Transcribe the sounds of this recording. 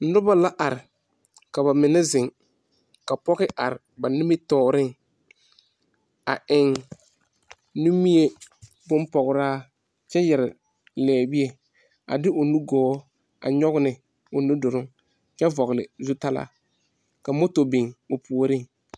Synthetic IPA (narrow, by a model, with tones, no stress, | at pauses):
nʊ˦ba˦la˦ʔa˨ɾɪ˨ | ka˨ba˨mɪ˨nɛ˦zɪ˨ŋ | ka˨pɔ˦ɣɪ˦ʔa˨ɾɪ˨ba˨nɪ˦mɪ˦tɔː˨ɾɪ˦ŋ | a̰˨ʔɪ˨ŋ | nu˦mi˦e˦ | bʊ˦m˦pɔ˨ɣʊ˨ɾaː˦ | t͡ʃɛ˦jɛ˨ɾɪ˨ | lɛː˨bi˦e˦ | a̰˨dɪ˦ʔʊ˨nu˦ɡɔː˨˦ | a̰˨ɲɔ˦ɣʊ˦nɪ˨ | ʊ˨nu˦dʊ˨ɾʊ˦ŋ | t͡ʃɛ˦vɔ˨ɣɪ˨lɪ̰˨zʊ˦ta˦la̰˦ | ka˨mo˦to˨bɪ˨ŋʊ˨pu˨o˨ɾɪ˦ŋ